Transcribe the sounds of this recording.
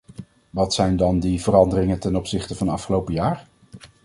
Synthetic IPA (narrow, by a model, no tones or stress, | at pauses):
ʋɑtsɛjndɑndivəɾɑndərɪŋəntɛnɔpsɪχtəvɑndəɑfχəlowpəjaːr